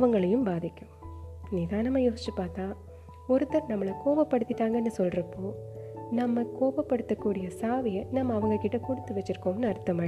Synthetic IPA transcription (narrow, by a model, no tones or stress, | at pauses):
ʋɐŋɡɐɭɐjɯmbaːðɪkʲːɯmniːðãːnɐmːɐjoːst͡ʃːɯpːaːɾt̪ãː | ɔɾɯt̪ːɐɾnɐmːɐɭɐkoːʋɐpːɐɽɯt̪ːɪʈːaːŋɡɐnːɯsɔlɾɐpːoːnɐmːɐkoːbɐpːɐɽɯt̪ːɐkːuːɽɪjɐsaːʋɪjɐnɐmːɐːʋɐŋɡɐɭkɪʈːɐkʊɽɯt̪ːɯʋɐt͡ʃːɪɾɯkːoːmnːɯɐɾt̪ːɐmɐː